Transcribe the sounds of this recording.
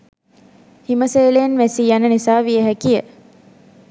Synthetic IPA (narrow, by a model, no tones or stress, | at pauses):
himəseːleːnʋæsijanənisaːʋieɦækijə